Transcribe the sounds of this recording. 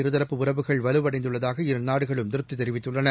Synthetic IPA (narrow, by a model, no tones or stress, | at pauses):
ɪɾɯðɐɾɐpːɯʊrɐʋɯɣɐɭʋɐlɯʋɐɽɐɪnd̪ɯɭːɐðaːɣɐɪɾɯnaːɽɯɣɐɭɯmt̪ɪɾɯt̪ːɯt̪ːɛɾɪʋɪt̪ːɯɭːɐnɐ